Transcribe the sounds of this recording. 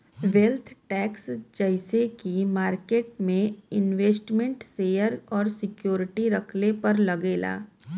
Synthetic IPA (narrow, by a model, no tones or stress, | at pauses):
ʋelt̪ʰʈɛːksd͡ʒɛɪsekimaːɾkeːʈ̚mẽɪnʋeːsʈmẽɳʈseːjəɾɔːɾsɪkjoːɾɪʈiɾɐkʰlepɐɾlɐɡeːla̰ː